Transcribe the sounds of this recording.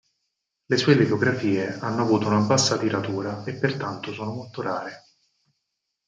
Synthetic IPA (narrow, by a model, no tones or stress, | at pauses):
lesuːelifoɡɾafiːeanːoavuːt̪ounabasːat̪iɾat̪uːɾaepːert̪ant̪osɔːnomolt̪oɾaːɾe